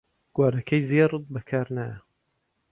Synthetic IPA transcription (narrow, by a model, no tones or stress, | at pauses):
ɡ̥waːɾɐkʰɐjzeːɾɨd̪̚bɐkʰaːɾnaːjɐ